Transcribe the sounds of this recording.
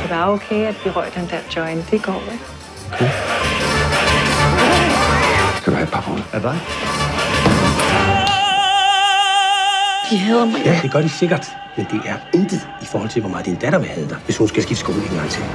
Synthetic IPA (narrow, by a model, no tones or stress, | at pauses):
d̥eʋɑ̈okʰeæd̥ʋiʁœɐ̰d̥end̥æɐd̥ɒɪnd̥e̝ɡ̥ɒ̰ːʋe | okʰeː | skʰæd̥uæ̰d̥̚pʰɑ̈b̥ʰɒlædɑɪ | d̥iɦyð̰ˠɐmjæd̥e̝ɡ̥ɶɐd̥iseɡ̥ɐd̥ | mend̥e̝ʔæɐe̝nd̥əðˠifɒːhɒ̽l̰t͡sʰe̝lʋɒmɑ̈ð̩ˠdind̥æɾ̥ɐʋehæð̞ˠd̥ɑʋe̝shunsɡ̥æsɡ̥ifsɡ̥o̰ːleŋ̩ɡɑ̈ŋt͡sʰe̝ŋ